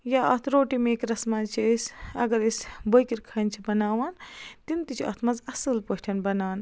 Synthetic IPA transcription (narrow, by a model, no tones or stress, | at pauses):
jaɐt̪ʰɾoːʈimekɾɐsmat͡ʃʰiesʲɐɡɐɾesbojkiɾkʰɐnt͡ʃʰibɐnaːwaːnt̪int̪it͡ʃʰiɐ̰t̪ʰmɐzɐsɨlpoʃʈʰɐnbɐnaːn